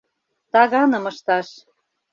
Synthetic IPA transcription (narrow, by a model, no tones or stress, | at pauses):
t̪ɑɣɑnɤ̆mɤ̆ʃt̪ɑʃ